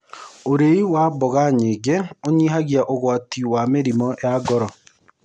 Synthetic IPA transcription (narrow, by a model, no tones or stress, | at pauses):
oɾeiwaːbɔɣaɲeːɡeoɲiːɦaɣjaʔoɣwaːtiwameɾimɔjaɡɔɾɔ